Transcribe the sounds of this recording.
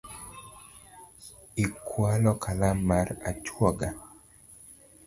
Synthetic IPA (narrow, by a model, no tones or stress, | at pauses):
ikwalɔkʰalamaɾat͡ʃwɔɡa